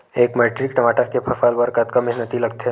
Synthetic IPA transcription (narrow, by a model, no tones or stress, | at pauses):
eːkmeːʈɾɪkʈɐmaːʈəɾkepʰɐfaːlbəɾkat̪kamɪɦnət̪ilɐɡ̚t̪eɦɛ